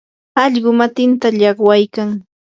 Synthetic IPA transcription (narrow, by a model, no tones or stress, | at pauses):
ɑʎɢʊmat̪ɪnt̪aʎɑχwajkaŋ